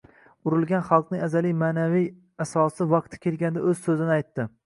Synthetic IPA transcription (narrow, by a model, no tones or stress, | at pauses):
ʊɾɪlˠɡʲanχɑlˠqnɪŋazalijmaːnavij | asɒsɪvɑq̚t̪ʰɪ̥kʲʰelɡʲand̪aɵzsɵzɪnɪajt̪ːɪ